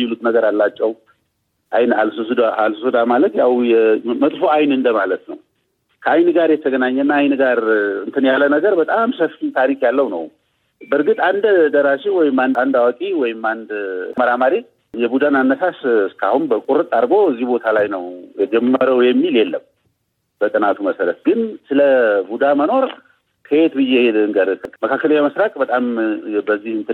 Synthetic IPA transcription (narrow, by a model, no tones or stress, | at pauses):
jɪlut̪nəɡəɾalːat͡ʃʼːɛw | ʔajnalsɨsud̪aalsusud̪amalət̪jawjɛmət̪ʼfoajnɨnd̪əmalət̪nə̰w | kʰəajnɡaɾjɛt̪ʰəɡənaɲːɛɨnːaːjnɡaɾɨnt̪ʰɨnjalːənəɡəɾbət̪ʼamsəfit̪ʰaɾikjalːəwnə̰w | bəɾɡɨt̪ʼand̪d̪əɾaʃiwɔjɪmːand̪and̪awakʼiwɔjɪmand̪məɾamaɾi | jɛbud̪ananːəsasɨskʰa̰hunbəkʼuɾɨt̪ʼːaɾɡo̞ɨzːihbo̞t̪ʰalajnəwjɛd͡ʒɛmːəɾəwjɛmːiljelːəm | bət̪ʼɨnat̪ʰuməsəɾət̪̚ɡɨnsɨləbud̪aməno̞ɾ | kʰəjet̪bɨjehed̪ɨŋɡəd̪məkʰakːələɲːaməsɾakʼbət̪ʼambəzːihɨnt̪ʰɨ